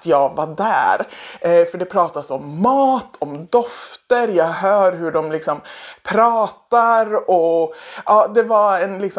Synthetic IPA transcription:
t̪jɑːɡvad̪æ̰ːɾfœɖɛpʰɾɑːt̪asɔmːɑːt̪ʰɔmd̪ɔft̪əɾjɑːɡɦœːɾɦɵɖɔmlɪksɔmpʰɾɑːt̪aɾɔʔɑːd̪ɛvaɛnlɪks

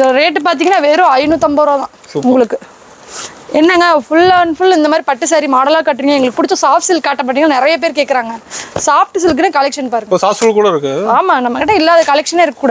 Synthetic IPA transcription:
ɾeːʈːɯp̬aːɾt̪̬iːŋɡɐnːaːʋeːɾõɐɪnut̪ɐmbɐːɾõːðãːʊŋɡɐɭɯkːɯ | ɛnːɐŋɡɐfʊɭːaːnfʊlɪnd̪ɐmaːd̪ɾipɐʈːɯsaɾimaːɽɐlaːkaːʈːɾiːŋɡɐɛŋɡɐɭɯkːɯpːʊɽɪt͡ʃːõsaːfsɪlkaːʈːɐpːɐʈːiːŋɡnɪɾɐjɐp̬eːɾkeːʈkɐɾaːŋɡɐsaːf̚ʈɯs̬ɪlkːɯnekɐlɛkʂɐnpaːɾɯŋɡosaːfsfulkuːɽɐɪɾɯkːɯaːmaːnɐmːɐkɪʈːɐɪlːaːðɐkɐlɛkʂɐneːɪɾɯkːɐkːuːɽɐð

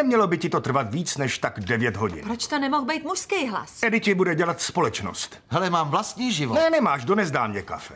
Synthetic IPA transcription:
ɛmɲɛlobɪcɪt̪o̞t̪r̩vat̪viːt͡snɛʃt̪aɡdɛvjɛt̪ɦoɟɪ̰npɾot͡ʃt̪onɛmoxbɛjt̪muʃskijɦla̰sɛdɪcɪbudɛɟɛlat̪spo̞lɛt͡ʃno̰st̪ | ɦɛlɛmaːmvlast̪ɲiːʒɪvonɛnɛmaːʃdonɛzdaːmɲɛka̰fɛ̥

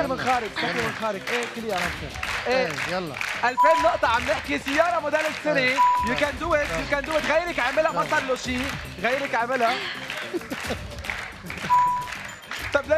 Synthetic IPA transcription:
ɾmɪnxaːɾɪɡsakːɪɾmɪnxaːɾɪɡʔeːkɪljamaɾʔeːɑlːɑʔalfeːnːʊʔt̪ˤɑʕamnɪħkisɪjːɑːɾˤɑmʊd̪eːlːɪsːɪnejɪkand̪ʊwɪt̪jukand̪ʊwɪt̪ɣajːɾɪkʕamɪlammasˤɑlːuʃiː | ɣajːɾɪkʕamɪla | t̪ˤɑbla

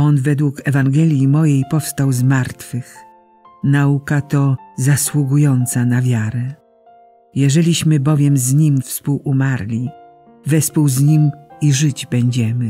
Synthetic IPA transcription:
ɔnvɛd̪wukɛvaŋɡɛlʲjimɔjejpɔfst̪awzmaɾt̪fɘx | naukat̪ɔzaswuɡujɔnt̪sanavʲjaɾɛ | jɛʐɛlʲiɕmɘbɔvʲjɛmzɲimfspuwumaɾlʲi | vɛspuwzɲimiʐɘd͡ʑbɛɲd͡ʑɛmɘ

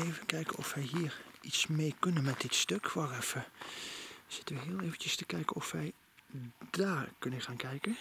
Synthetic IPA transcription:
eːvəkɛjkənɔ̰fʋɛjɦiːritsmejkɵnənmɛtd̥ɪtstøkʋɔrɛfə | z̥ɪtəʋəɦɪːəlˠeːvəncəstəkɛjkəɔfʋɛj | d̥aːɹkɵnəχaːnkɛjkə

